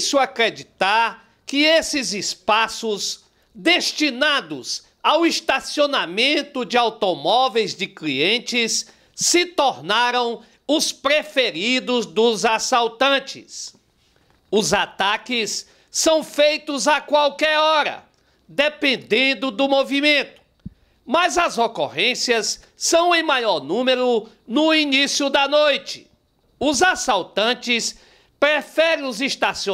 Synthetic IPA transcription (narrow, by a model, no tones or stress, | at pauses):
sʊakɾed͡ʒit̪aɾ | kɪesɪzɪspasʊz | d̪est͡ʃinad̪ʊz | awist̪asionamẽnt̪ʊd͡ʒɪawt̪omɔvejzd͡ʒɪkliẽnt͡ʃɪsː | ɪt̪oɾnaɾɐ̃w̃ | ʊspɾefeɾid̪ʊzd̪ʊzasawt̪ɐ̃t͡ʃɪ̰s | ʊzat̪akɪsː | ɐ̃w̃fejt̪ʊzakwawkɛɾɔɾɐ̰ | d̪epẽnd̪ẽnd̪ʊd̪ʊmovimẽt̪ʊ̥ | mɐzɐzokoʁẽsiɐsː | ɐ̃w̃ẽmajɔɾnũmeɾʊ | nʊinisjʊd̪ɐnojt͡ʃɪ̥ | ʊzasawt̪ɐ̃t͡ʃɪs | pɾefɛɾẽʊziʃt̪asi